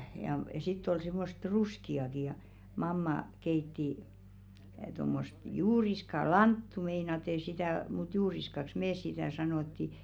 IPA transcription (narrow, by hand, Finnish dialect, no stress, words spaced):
jɑ sitː ol se̝mːost ruskiɑki jɑ mɑmːɑ keitːi tomːost juːriskɑ lɑntːu meinɑte sitæˑ mut juːriskɑks meːs sitæˑ sɑnoˑtːi